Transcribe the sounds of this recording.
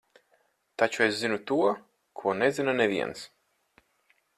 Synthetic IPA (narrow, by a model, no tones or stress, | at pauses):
t̪at͡ʃueszinut̪uɔ | kʰuɔnezinanevʲiɛns